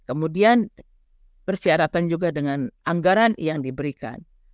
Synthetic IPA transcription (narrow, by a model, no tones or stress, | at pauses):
kəmudian | bərsiaɾat̪and͡ʒuɡadəŋanʔaŋɡaɾanjaŋdibəɾika̰n